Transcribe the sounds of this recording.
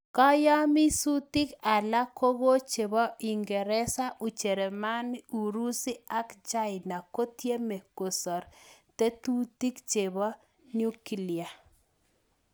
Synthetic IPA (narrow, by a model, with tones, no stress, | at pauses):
kɔ˦ja˦mi˦su˦ti˦ka˨la˦kʰo˦ɡo˦t͡ʃe˨bɔ˦ʔi˨ŋɡɛ˨ɾɛ˦sa˦ʔu˨t͡ʃe˨ɾe˨ma˦nu˨ɾu˦si˦a˦kd͡ʒa˦ɪ˨na˨ko˦t̪je˦me˨ko˨sɔ˨ɾt̪e˦t̪u˦t̪i˦kt͡ʃe˨bɔ˦ | ɲu˦ki˦lɪa˨